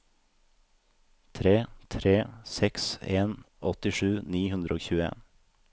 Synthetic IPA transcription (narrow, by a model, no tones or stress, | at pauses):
t̪ʰɾeːt̪ʰɾeːsɛkseːn | ʔɔt̪ɪʃʉːniːhʉnd̪ɾəoːçʉːəḛːn